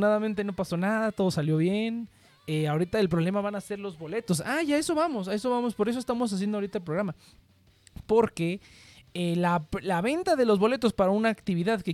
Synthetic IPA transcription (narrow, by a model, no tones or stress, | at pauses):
naðamẽnt̪e̞no̞paso̞naðat̪o̞ðosaljo̞βje̞n | eao̞ɾit̪aelpɾo̞β̞le̞maβanase̞ɾlo̞zβo̞le̞t̪o̞saʝae̞so̞βamo̞sae̞so̞βamo̞spo̞ɾe̞s̬o̞est̪amo̞s̬as̬jend̪oaoɾit̪aelp̬ɾo̞ɣɾama | po̞ɾke̞ | elalaβe̞nt̪aðe̞lo̞zβo̞le̞t̪o̞spaɾaunaːkt̪iβ̞iðaðke̞